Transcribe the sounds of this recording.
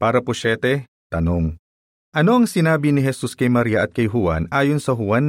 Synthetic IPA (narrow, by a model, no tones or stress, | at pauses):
paːɾɐpʊʃɛːt̪ɛ | t̪ɐnoŋ | ʔɐno̞ɐŋsɪnaːbɪnɪɦɛsuskɐjmɐɾiːɐʔɐt̪̚kɐjɦʊwa̰nʔaːjonsɐɦʊwanː